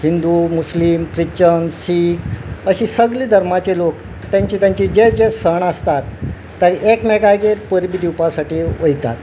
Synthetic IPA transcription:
hind̪umuslimkɾit͡ɕənsiːkəɕisəɡliːd̪ʱəɾmat͡ɕelok | t̪jaɲt͡ɕiːt̪jãɲt͡ɕid͡ʑed͡ʑesəɳəst̪at̪ː | əɾekmɛɡajɡeɾpəɾbid̪ʱiwpasaʈiːʋəjt̪a̰t̪

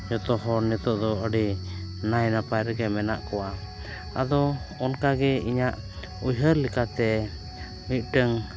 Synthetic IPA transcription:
d͡ʒɔt̪ɔɦɔnɛt̪ɔʔd̪ɔəɖinajnapajɾəɡɛmɛna̰ʔkɔwa | a̰d̪ɔɔnkaɡɛiɲaʔ | ujɦəɾlikat̪ɛ | mit̪̚ˀʈəŋ

